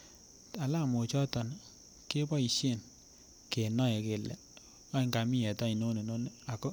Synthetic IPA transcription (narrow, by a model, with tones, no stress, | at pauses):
a˨la˦˨mo˨t͡ʃɔ˦tɔ˨n | ke˦bɔ˦i˨ʃe˦˨n | ke˨nɔ˦e˨ke˨lɛ̰˨ | ɔ˦i˦ŋka˨mi˦jɛ˨ta˦i˨no˦ne˨no˦ne˦˨a˨ko˦